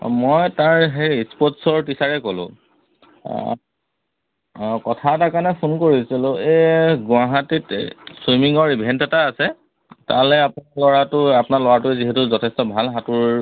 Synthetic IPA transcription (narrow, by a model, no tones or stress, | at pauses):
mɔjtaɹɦejispɔtsɔɹtisaɹɛkolʊ̰̃ | kɔtʰatakanɛpʰunkoɹisilʊ̃eɡʊaɦatitswimiŋɔɹibʱɛntɛtaːsɛ | ta̰lɛapnalɔɹatʊapnalɔɹatʊɛziɦɛtʊzɔtʰɛstɔbʱalɦatʊɹ